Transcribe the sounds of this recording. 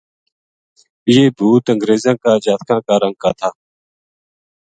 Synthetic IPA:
ɪjeːbʱuːt̪əŋɡɾeːzãːkaːd͡ʒaːt̪kʰãːkaːɾəŋɡ̚kaːt̪ʰaː

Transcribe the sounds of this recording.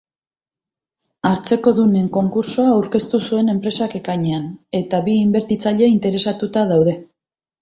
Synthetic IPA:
aɾt͡se̞ko̞ðune̞ŋko̞ŋkuɾsoaːwɾke̞st̪usue̞ne̞mpɾe̞sake̞kaɲe̞ane̞t̪aβiːmbe̞ɾt̪it͡saʎe̞int̪e̞ɾe̞sat̪ut̪að̞awð̞e̞

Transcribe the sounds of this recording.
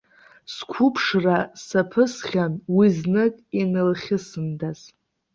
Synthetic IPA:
skʷʰupʰʂrasapʰɨsχʲanwiznɨkʼinɨlχʲɪsɨndaz̥

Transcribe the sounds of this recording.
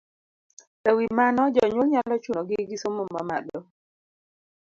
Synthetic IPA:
tawimanɔd͡ʒɔɲwulɲalɔt͡ʃunɔɡɪɡɪsomoma̰ma̰ɗɔ

